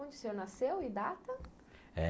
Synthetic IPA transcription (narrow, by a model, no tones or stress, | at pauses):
õnd͡ʒisewnasewɪd̪at̪ɐ | ɛ